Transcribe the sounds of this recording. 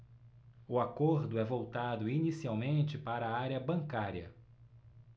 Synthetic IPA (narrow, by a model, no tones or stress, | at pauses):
ʊakoɾd̪ʊɛvowt̪ad̪ʊinisiawmẽnt͡ʃɪpaɾɐːaɾjɐbɐ̃ŋkaɾiɐ̰